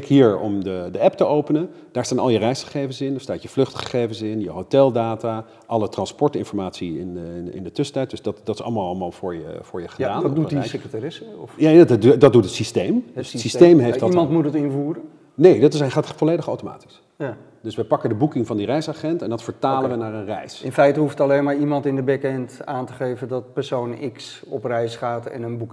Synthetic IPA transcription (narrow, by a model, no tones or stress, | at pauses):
kɦiːɹɔ̰mdədəɛptəowpənən | d̥aːɹstaːnɑlˠjərɛjsχə̥χejvənsɪndaɹstaːtjəvlʏχtχə̥χejvənsɪnjəɦotɛlˠdaːta | ʔɑlətrɑnspɔɹtɪ̰nfɔɹmaːtsiɪnɪ̰ndətɵstɛjt̚d̥sdɑtdɑtɪ̥sɑ̰lˠmalˠɑlˠmaːlˠv̥ʊːɹjə̰vʊːɹjəχədaːnduisekrətarɪsəɔfjadɑd̚dutətsistejmssistejmɦefdmɑntmutətɪnvuːrə | nejdɑtɪsatfɔleːjdəχowtoma̰ːti̥s | dɵsʋɛpɑkəndəbukɪŋvɑndirɛjsaχɛntɛndɑtfəɹtaːlənʋənaːɹənrɛjsɪnfɛjtəɦuftɑlejnmaːɹimɑntɪndəbɛkɛntaːntəχejvəndɔt̚pəɹsownɪks | ɔprɛjsχaːtɛ̰nənbuk